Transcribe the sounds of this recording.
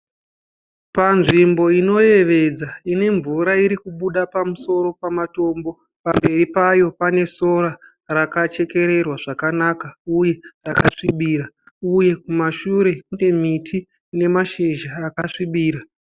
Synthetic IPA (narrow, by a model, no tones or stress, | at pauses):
panʐimbo̞ino̞je̞ʋe̞d͡zaine̞ɱvuɾaiɾikuɓuɗapamuso̞ɾo̞pamato̞ːmbo̞ | pambe̞ripajo̞pane̞so̞ɾa | rakat͡ʃe̞ke̞ɾe̞rwaʐakanakauje̞rakaʂiɓiːɾa | uje̞kumaʃuɾe̞kune̞mitʰiː | ne̞maʃeʒaːkaʂiɓiːɾa